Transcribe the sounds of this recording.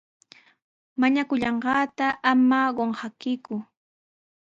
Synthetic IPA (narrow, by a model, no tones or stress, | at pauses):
maɲakʊʎɑɴɢɑːt̪aʔamaɢoɴhakɪkʊ